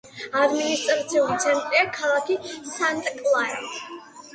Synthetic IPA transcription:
ad̪minist̪ʼɾat̪sʰiulit̪sʰɛnt̪ʼɾiakʰalˠakʰisant̪ʼkʼlˠaɛ

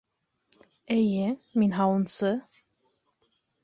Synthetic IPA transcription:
ejɘminɦɑwɤ̆nsɤ

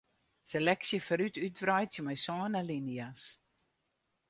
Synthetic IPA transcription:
selɛksjəfəɾytytvrɾœjtsjəmɛjsɑːnəlinias

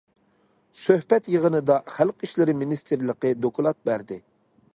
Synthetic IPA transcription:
søhpɛt̪jəʁənɨd̪ɑχælqiʃlɪɾɪminist̪ʰɨɾlˠəqəd̪okʰulˠɑt̪̚bæɾd̪ɪ

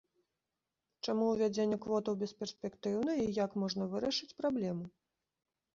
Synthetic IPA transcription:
t͡ʂamuwvʲad͡zʲenʲːɛkvɔt̪ɐwbʲɛspʲɛrsʲpʲɛkt̪ɨwnɐijakmɔʐnɐvɨɾɐʂɨt͡sʲpɾablʲɛmu

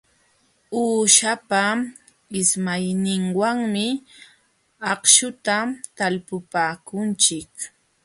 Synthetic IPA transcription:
uːʃapa | ɪsmajnɪŋwaŋmɪ | ɑχʃʊt̪at̪alpʊpaːkʊnt͡ʃɪk

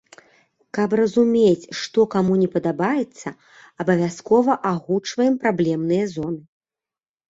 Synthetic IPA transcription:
kɐprɐzumʲet͡sʲʂt̪ɔkamunʲɛpɐd̪abajɛt̪sːɐ | ɐbɐvʲaskɔvɐʔaɣut͡ʂvɐjɛmpɾablʲɛmnɨjɐzɔnɨ

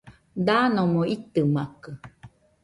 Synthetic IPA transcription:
d̪anõmoit̪ɨmakɯ

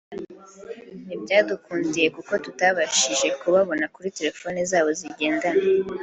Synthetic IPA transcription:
nibjaːdukuːndije̞kuko̞tutaβaʃiʒe̞kuβaβo̞nakuɾite̞ɾe̞fo̞nezaːβo̞ziɟe̞ːndana

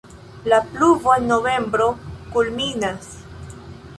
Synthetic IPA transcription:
lapluvo̞enːo̞ve̞mbɾo̞kulminas

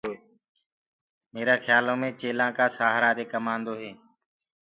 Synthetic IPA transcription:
meːɾaːxjaːlõːmẽːt͡ʃeːlãːkaːsaːɦɾaːɾeːkəmãːnd̪oːɦeː

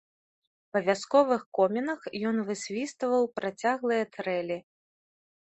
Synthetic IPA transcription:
pɐvʲaskɔvɨxkɔmʲɛnɐxjɔnvɨsʲvʲist̪vɐwpɾʔat͡sʲaɣlˠɨjɐt̪ɾɛlʲi

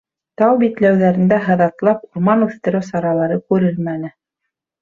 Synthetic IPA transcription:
t̪ɑwbit̪læwðæɾɘ̆nd̪æɦɤ̆ðɑt̪lˠɑpuɾmɑnʉθt̪ɘ̆ɾɘwsɑɾɑlˠɑɾɤkʉɾɘlmænɘ

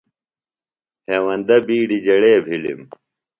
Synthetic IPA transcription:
heːwɐnd̪ɐbiːɖid͡ʑɐɽeːbʱilḭm

